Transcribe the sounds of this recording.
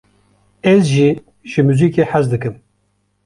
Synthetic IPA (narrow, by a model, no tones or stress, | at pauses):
ɛzʒiː | ʒɨmuːziːkeːħazd̪ɨkɨm